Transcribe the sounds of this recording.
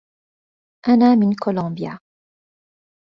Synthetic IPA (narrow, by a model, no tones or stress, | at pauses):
ʔanaːmɪnkolɑ̃ːbja̰